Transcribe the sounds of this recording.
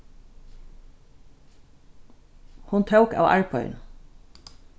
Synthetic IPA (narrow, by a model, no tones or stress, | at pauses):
hʊnt̪ʰɑʊkɑ̰ːʋʔæ̰ɹpʰɔʏ̰n